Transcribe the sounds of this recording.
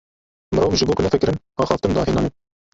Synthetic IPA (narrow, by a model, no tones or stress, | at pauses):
mɨɾoːkʒɨboːkʊnɛfɛkɪɾɪn | ɑːxɑːft̪ɨmd̪ɑ̰ːɦenɑːni